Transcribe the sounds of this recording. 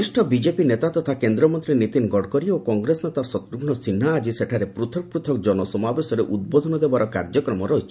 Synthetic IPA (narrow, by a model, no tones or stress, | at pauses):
isʈʰɔbid͡ʒepinet̪at̪ɔt̪ʰakend̪ɾɔmɔnt̪ɾinit̪inɡɔɽkɔɾiokɔŋɡɾesnet̪asɔt̪ɾuɡɳɔsinɦaːd͡ʒiseʈʰaɾepɾut̪ʰɔk̚pɾut̪ʰɔkd͡ʒɔnɔsɔmabesɔɾeʔud̪̚bod̪ʱɔnɔd̪ebaɾɔkaɾd͡ʒɔkɾɔmɔɾɔɦit͡ʃʰi̥